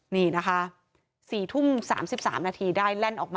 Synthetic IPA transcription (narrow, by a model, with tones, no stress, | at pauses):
niː˥˩na˦˥kʰa˦˥ | siː˨˩t̪ʰu˥˩msa̰ː˩˦msi˨˩p̚sa̰ː˩˦mnaː˧t̪ʰiː˧daː˥˩jlɛ˥˩nʔɔː˨˩k̚ma˧